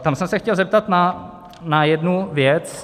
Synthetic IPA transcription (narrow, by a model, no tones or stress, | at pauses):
t̪amsɛmsɛxcɛlzɛp̚t̪at̪na | najɛdnuvjɛt͡s